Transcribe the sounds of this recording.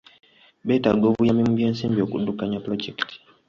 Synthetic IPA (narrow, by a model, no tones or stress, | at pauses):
betaɡovujamimubjeːnsiːmbiokṵdːukaɲaplod͡ʒektʰi̥